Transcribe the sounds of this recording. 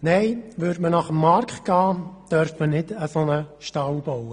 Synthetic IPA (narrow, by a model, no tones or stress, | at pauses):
nɛɪʋʏɾdmənɑχəmːɑɾktɡ̥ɑːd̥œɾfmənɪdəsonəʃtɑwbowə